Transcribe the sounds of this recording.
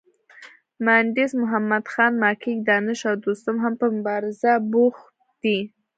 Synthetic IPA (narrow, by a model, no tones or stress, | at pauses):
maɳɖɪsmʊɦamːad̪xɑnmɑkʰik̚d̪ɑnɪʃɑwd̪ost̪ʊmɦampəmʊbɑɾɪzabux | d̪̥i